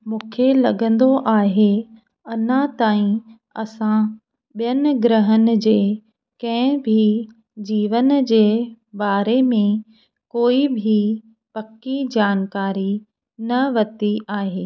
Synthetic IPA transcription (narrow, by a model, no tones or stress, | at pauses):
mũːkʰelɐɠə̃nd̪oʔaːɦe | ɐnãt̪aːĩ | ɐ̰sã | ɓijənɪ̆ɡɾəɦənɪ̆d͡ʑeː | kɐ̃ɦɪ̃bʱi | d͡ʑiːʋənd͡ʑeː | baːɾemẽ | koːibʱi | pɐkːid͡ʑaːnkaːɾi | nɐʋɐt̪iʔaːɦeː